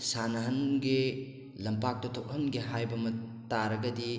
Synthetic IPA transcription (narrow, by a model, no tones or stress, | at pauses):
sanɐɦɐnɡe | lɐmpak̚tɐtʰok̚hɐnɡiɦajbɐmɐtaɾɐɡɐdi